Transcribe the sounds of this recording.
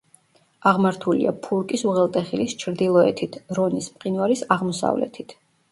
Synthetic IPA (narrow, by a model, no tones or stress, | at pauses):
aʁmaɾt̪ʰulḭʔapʰuɾkʼisuʁɛlˠt̪ʼɛχilist͡ʃʰɾd̪ilˠɔɛ̰t̪ʰit̪ʰɾɔnismpʼqʼinwaɾisaʁmɔsa̰vlɛ̰t̪ʰit̪ʰ